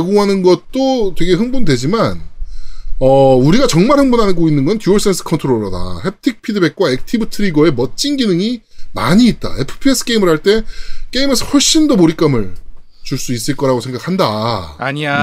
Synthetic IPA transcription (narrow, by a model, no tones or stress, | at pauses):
eɡoŋɦanɯnɡʌt̚t͈otwe̞ɡe̞ɦɯŋbundwe̞d͡ʑiman | ʌuɾiɡat͡ɕʌŋmaɭhɯŋbunɦanɡoinːɯnɡʌntʰjuʌɭs͈ʰensʰɯ̥kʰʌntʰoɾoɾʌda̰he̞p̚tʰik̚pʰidɯbe̞k̚k͈waek̚tʰibɯtʰɯɾiɡʌe̞mʌt̚t͡ɕ͈inɡinɯŋimaɲiːt̚t͈a̰e̞pʰɯ̥pʰiesʰɯ̥k͈e̞imɯɭhaɭt͈e̞k͈e̞imɯsʰhwoɭɕ͈indomoɾik͈amɯɭ | t͡ɕuɭs͈uis͈ɯɭk͈ʌɾaɡosʰe̞ŋɡakʰandaaɲia